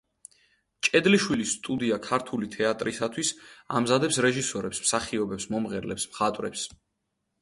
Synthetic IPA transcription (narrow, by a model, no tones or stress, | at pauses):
t͡ʃʼɛd̪liʃwilisːt̪ʼud̪iakʰaɾt̪ʰulit̪ʰɛat̪ʼɾisat̪ʰwisa̰mzad̪ɛpsɾɛʒisɔɾɛpsmsaχiɔbɛpsmɔmʁɛɾlɛpsmχat̪ʼwɾɛ̰ps